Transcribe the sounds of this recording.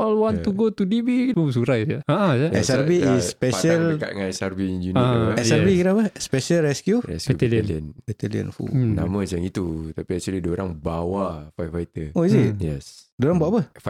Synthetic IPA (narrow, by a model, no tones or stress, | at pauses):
ɔlwɔ̃nt̪uɡot̪udibimus̬uɾajaaãaɛsaɾbiːsːpɛʃəlka̰t̪ŋãnɛsaɾbid͡ʒuniɛaɾbikiɾapəspɛʃəlrɛskjuɛ̰skbɛuɛliliənbɛt̪ɛliə̰nfṵna̰mə̃səaŋit̪ut̪apiɛksulidoɾaŋbawafajfajt̪əoisit̚jɛ̰s | doɾaŋbuaʔpəf